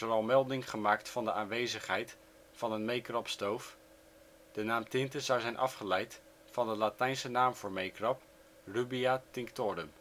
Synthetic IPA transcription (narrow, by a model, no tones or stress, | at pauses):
ərɑlˠmɛlˠdɪŋχəmaːktfɑndəʔaːnʋejzəχɦɛjt | fɑnənmejkrɑpstowf | d̥ənaːmtɪntəzʌwzɛjnʔɑ̰fχəlɛjt | fɑndəlatɛjnsənaːmvʊːɹmejkrɑp | rybiatɪŋktɔːɾəm